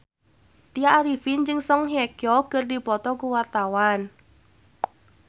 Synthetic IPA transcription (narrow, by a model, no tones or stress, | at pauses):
t̪ijaaɾifint͡ʃəŋsɔŋɦjɛkjɔkərdipɔt̪ɔkuwart̪awan